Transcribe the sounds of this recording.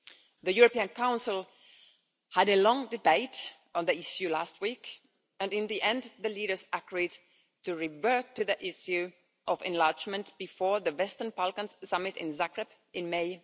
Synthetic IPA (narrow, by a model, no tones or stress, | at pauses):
ðɨjʊɹɨpiɨ̃nkʰãʊ̃nsəl̩ˠ | həɾɨlɔ̃ŋdɨbeɪɾ̃ | nðiɪʃjʉlæst̚wik | ɨ̃nɨ̃nðiʔɛ̃nd̪ðɨliɾə˞zəɡɹid | tɨɹɪvɜ˞tɨðiʔɪʃjʉ | ʔʌvɨ̰̃nlɑɹd͡ʒmɨ̃ntb̥ɨfɔɹðɨwɛstə˞nbalˠkə̃nz̥sʌmɨɾɪ̰̃nzækɹɨb | ʔɨ̃nmeɪ